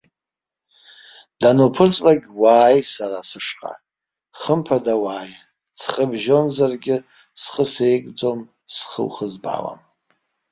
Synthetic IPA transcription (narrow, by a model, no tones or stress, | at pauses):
d̥anopʰɨrt͡sʼraɡʲwaːjsaɾasɨʂqʼa̰ | χəmpʰadawaːja | t͡sʰχəbʒo̞nzarɡʲɪ | sχəsejkʼd͡zo̞m | sχə̰wχəzba̰wa̰m